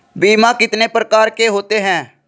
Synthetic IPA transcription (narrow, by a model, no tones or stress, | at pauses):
biːmãːkɪt̪neːpɾəkaːɾkeːɦoːt̪eːɦɛ̃ː